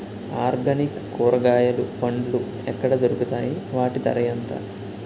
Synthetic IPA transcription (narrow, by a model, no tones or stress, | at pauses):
aːɾɡɐnikkːuːɾɐɡaːjɐlupɐɳɖlu | ɛkːɐɽɐd̪oɾukut̪aːjiʋaːʈit̪ɐ̰ɾɐjɐnt̪a̰